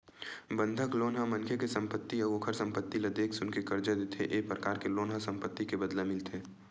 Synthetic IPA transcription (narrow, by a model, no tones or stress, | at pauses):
bə̃nd̪ʱəkloːnɦamɐnkʰekesə̃mpət̪ːiɐɡokʰəɾsə̃mpət̪ːilɐd̪eːksʊnkekəɾd͡ʒad̪ɪt̪ʰeʔeːpɾəkaːɾkeloːnɦasɐ̃mpət̪ːikebəd̪lemɪlt̪ʰeː